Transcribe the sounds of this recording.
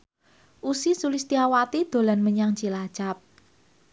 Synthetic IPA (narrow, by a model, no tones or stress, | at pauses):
ʔusisulɪst̪iawat̪id̪̥o̤lanməɲaŋ̥t͡ʃilḁt͡ʃap̚